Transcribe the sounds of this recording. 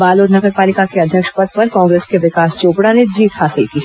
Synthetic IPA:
baːloːd̪nɐɡəɾpaːlɪkakeɐd̪ʱjəkʃpɐd̪̚pɐɾkɔ̃ːŋɡɾeːskeʋɪkaːst͡ʃoːpɽaned͡ʒiːt̪haːsɪlkiː

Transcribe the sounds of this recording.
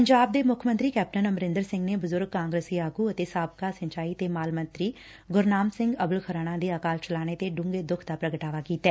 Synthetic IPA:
pəɲd͡ʒaːb̚d̪eːmʊkʰmənt̪ɾiːkɛːp̚ʈənəməɾɪ̃nd̪əɾsɪ̃ŋɡneːbʊzʊɾɡ̚kaːŋɡɾəsiːaːɡuːət̪eːsaːbkaːsəɲt͡ʃaːiːt̪eːmaːlmənt̪ɾiː | ɡʊɾnaːmsɪ̃ŋɡəbəlkʰəɾaːɽ̃ãːd̪eːaːkaːlt͡ʃəlaːɽ̃eːt̪eːɖʊ̃ŋɡeːd̪ʊkʰd̪aːpɾəɡəʈaːʋaːkiːt̪ɛː

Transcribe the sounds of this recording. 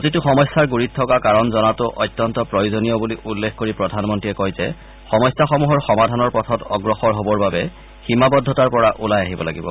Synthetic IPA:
kotitʊxɔmɔjsːaɹɡuɹitʰːɔkakaɹɔnzɔnatʊʔɔjtːjɔntɔpɹojozonijɔbuliʔulːekʰkoɹipɹɔdʱanmɔntɹiɛkojzɛ̰ | xɔmɔjsaxɔmuɦɔɹxɔmadʱanɔɹpɔtʰɔtɔɡɹɔxɔɹɦobɔɹbabɛ | ximabɔdʱːɔtaɹpɔɹaʔulajaɦibɔla̰ɡibɔ̰

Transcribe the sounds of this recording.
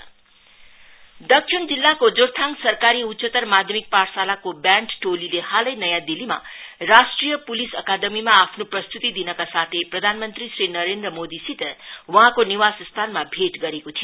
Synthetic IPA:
d̪ʌkʂʰind͡zilːakod͡zoɾt̪ʰaŋsʌrkaɾiutːsʌt̪ʌrmad̪ʱjʌmik̚parsalakobjaɳʈʈolilehalʌjnʌjãd̪ilima̰rasʈrijʌpulisʌkad̪ʌmimaːpʰnoprʌst̪ut̪id̪inʌkasat̪ʰeprʌd̪ʱanmʌnt̪risrinʌɾend̪rʌmod̪isit̪wʌɦãkoniwasst̪ʰanmabʱeʈɡʌɾekot̪ʰijo

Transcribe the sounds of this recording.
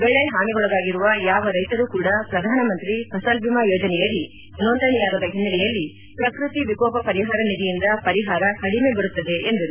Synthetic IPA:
bɛɭːeɦaːmiɡɔɭɐd̪aːɡiɾuʋɐjaːʋɐɾɐjt̪ɐɾuːkuːɽɐpɾɐd̪ʱaːnɐmɐnt̪ɾipɐsɐːlbʱimajoːd͡ʒɐnɛjɐlːi | nond̪ɐnijaːɡɐd̪ɐɦinːɐlɛjɐlːi | pɾɐkɾut̪iʋikɔːpɐpɐɾiɦaːɾɐnid̪ijind̪ɐpɐɾiɦaːɾɐhɐɽime̞bɐɾut̪ːɐd̪e̞ʔend̪ɐɾu

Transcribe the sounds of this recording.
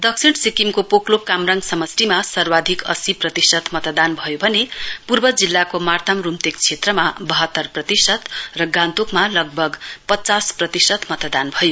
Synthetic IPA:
d̪ʌksʰiʈsikimkopoklokamraŋɡsʌmʌsrimasʌrwad̪ʱikʌ̰siprʌt̪isʌt̪mʌt̪d̪anbʱʌjobʱʌnepurbʌd͡zilːakomart̪ʰamrumt̪ek̚t͡sʰet̪rʌmabʌɦʌt̪ːʌrprʌt̪isʌt̪rʌɡãnt̪ukmalʌɡ̚bʱʌɡpʌt͡sasprʌt̪isʌt̪mʌt̪d̪anbʱʌjo

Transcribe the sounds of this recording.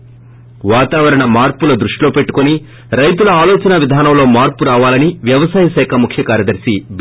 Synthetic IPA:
ʋaːt̪aːʋɐɾɐɳɐmaːɾpulɐd̪ɾuʂʈiloːpe̞ʈːu̥koni | ɾɐjt̪ulɐaːlɔːt͡ʃɐnɐʋid̪ʱaːnɐmlo̞ːmaːɾpuɾaːʋaːlɐniʋjɐʋɐsaːjɐʃɛːkʰɐmukʰjɐkaːɾjɐd̪ɐɾsib

